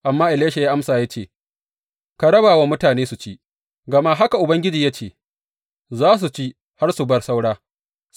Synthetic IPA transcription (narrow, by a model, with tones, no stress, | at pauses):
ʔa˨mːaː˦ʔɪ˨leː˦ʃe˨jaː˦ʔa˦msaː˨ja˦t͡ʃeː˦˨ | ka˨ɽɐ˦baː˨wa˦mʊ˦taː˨neː˦su˨t͡ʃiː˦ | ɡɐ˨ma˦ɦa˦ka˨ʔʊ˨bɐ˦ŋɡʲɪ˦d͡ʒiː˨jaː˦t͡ʃeː˦˨ | zaː˦s̬u˨t͡ʃi˦ | ha˦rsu˨bɐ˦rsa˦wɽaː˦